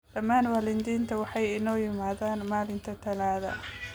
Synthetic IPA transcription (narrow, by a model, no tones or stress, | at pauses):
d̥ɐmːaːnwaːlɪnd̪iːnt̪ʰɐwɑħɑjɪnɔːjɪmaːðaːnmaːlɪnt̪ʰɐt̪ʰɐlaːðɐ̰